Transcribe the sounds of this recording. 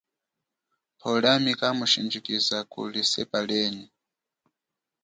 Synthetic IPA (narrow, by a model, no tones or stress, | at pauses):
pʰɔlamikamuʃind͡ʒikizakṵlisɛ̰palɛːni